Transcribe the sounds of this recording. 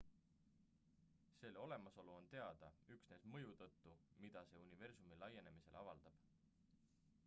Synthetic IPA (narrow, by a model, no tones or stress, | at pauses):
se̞leo̞le̞mɑso̞luo̞nt̪e̞ɑd̪̥ɑyksne̞smɤjut̪ɤt̪ːumid̪̥ɑse̞ːunive̞rsumilɑje̞ne̞mise̞̰lʔɑvɑld̪̥ɑb̥